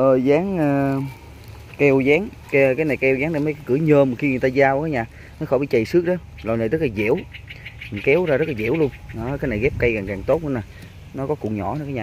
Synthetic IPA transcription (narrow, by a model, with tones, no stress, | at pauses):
ʔəː˨˩zaː˨˦ŋʔəː˨˩ | kɛ˧wzaː˨˦ŋ | kkaː˨˦jna˨˩jkɛ˧wzaː˨˦ŋɗa˨˩m˨˦jkːjkɨ˧˩˦ɲəː˧˩mɨ˨˩kxi˧ŋɨ˨jt̪aː˧zaː˧wkaː˨˦jɲaː˨˩ | nɔ˨˦xɔ˧˩˦ɓḭ˧˩t͡ɕə˨˩jsɨ˦˥ək̚ɗɔ˨˦ | lɔː˨˩jna˨˩t̪ɨ˦˥k̚laː˨˩zḭ˧˥əw | kɛ˨˦wzaː˧zə˦˥laː˨zḭ˧˩əwlu˧ənɔ˨˦kaː˨˦jna˨˩jɣɛ˦˥p̚ka˧jkaː˨˩ŋkaː˨˩ŋt̪o˦˥t̚ʔɨ̰˧˨˦na˨˩ | nɔ˨˦kɔ˨˦kʊ̰˨˧˩ŋ͡mɲɔ̰˧˩˦kːaː˨˦jɲaː˨˩